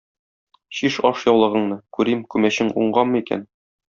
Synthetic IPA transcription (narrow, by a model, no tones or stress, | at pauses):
ɕiʃɒʃjɒwlˠɤ̆ʁɤ̆ɴnɤkʉɾimkʉmæɕɘŋṵɴɢɑmmːɤikæ̰n